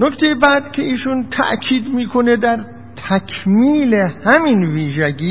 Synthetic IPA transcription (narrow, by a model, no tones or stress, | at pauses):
nokt̪ʰejebæd̪kʲʰeiːʃunt̪ʰæ̰ʔkʰiːd̪miːkʰo̞ned̪æɾ | t̪ʰækʰmiːlehæminviːʒæɡiː